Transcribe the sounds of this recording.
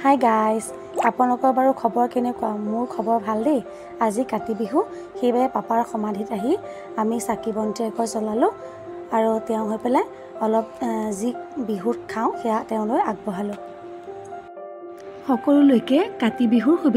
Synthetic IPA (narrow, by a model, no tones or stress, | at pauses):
hajɡajs | apʊnalɔkɔɹbaɹukʰɔbɔɹkenɛkɔamʊɹkʰɔbɔɹbʱaldej | azikatibiɦu | xejbajɛpapaɹxɔmadʱitaɦi | amisakibɔntiakɔjsɔlalʊ̃ | aɹutɛʊ̃ɦojpɛlaj | ɔlɔp̚zibiɦutkʰaʊ̃xɛjatɛʊ̃lojaɡ̚bɔɦalʊ̃ | xɔkɔlulojkɛkatibiɦuɹxʰubi